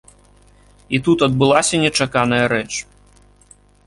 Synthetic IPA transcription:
it̪ut̪ɐd̪̚bɨlˠasʲɐnʲɛt͡ʂakanɐjɐɾɛt͡ʂ

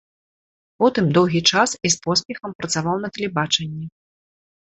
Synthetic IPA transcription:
pɔt̪ɨmd̪ɔwɣʲit͡ʂasispɔspʲɛxɐmpɾɐt̪savawnɐt̪ɐlʲɛbat͡ʂɐnʲːɛ

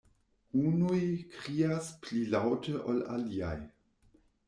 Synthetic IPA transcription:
unujkɾiːasplilawtʰəʔola̰lia̰j

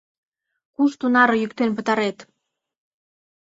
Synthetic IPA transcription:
kuʃt̪unɑɾŏjykt̪enpə̆t̪ɑɾet̪

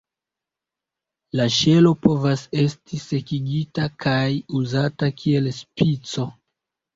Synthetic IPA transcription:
laʃe̞lo̞po̞vase̞stise̞kiɡitakʰajuzatakʰie̞lspit͡so̞

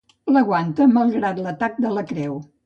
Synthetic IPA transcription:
ləɣwant̪əməlˠɣɾat̪lət̪ak̚d̪ələkɾɛw

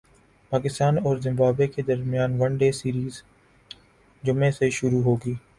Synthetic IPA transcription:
paːkɪst̪aːnɔːɾzɪ̃mbaːbeked̪əɾmɪjaːnʋɐ̃ɳɖeːsiːɾiːz | d͡ʒʊmeseʃʊɾuɦoːɡiː

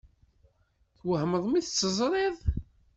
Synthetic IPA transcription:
θwəhməðˤmiθət͡sːəzˤɾˤeðˤ

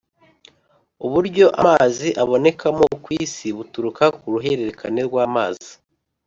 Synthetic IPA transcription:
uβuɾɟo̞ʔa̰maziʔaβo̞ne̞kamo̞kwiːsiβutuɾukakuɾuɦe̞ɾe̞ɾe̞kʰane̞ɾɡwaːma̰ːzi

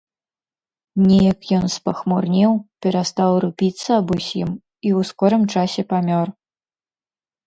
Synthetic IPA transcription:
nʲɛjɐkjɔnspɐxmurnʲiwpʲɛɾast̪awrupʲit̪sːɐɐbusʲim | iwskɔɾɨmt͡ʂasʲɛpamʲɔr

